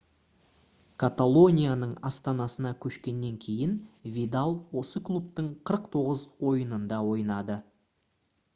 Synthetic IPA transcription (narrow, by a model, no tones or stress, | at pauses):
kʰat̪alˠo̞nʲijanəɴɑst̪ɑnɑsənɑkʲʰɵʃkʲe̞nːe̞ŋkʲʰe̞jɪnvʲid̪alˠwo̞səklˠup̚t̪əɴqʰəɾəqt̪ʰo̞ʁəzwo̞jənənd̪ɑwo̞jnɑd̪ə